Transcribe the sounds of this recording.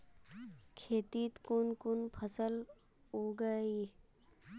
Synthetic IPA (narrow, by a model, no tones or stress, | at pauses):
kʰeːt̪it̪kʊnkʊnpʰəsəl | ɦoːɡəi